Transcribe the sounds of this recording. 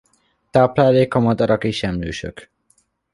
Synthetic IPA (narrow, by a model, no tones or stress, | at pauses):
t̪aːplaːleːkɒmɒd̪ɒɾɒkeːʃɛmløːʃø̰k